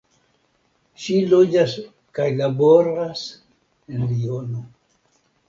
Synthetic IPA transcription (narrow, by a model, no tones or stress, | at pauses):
ʃilod͡ʒas | kajlaboɾas | enliono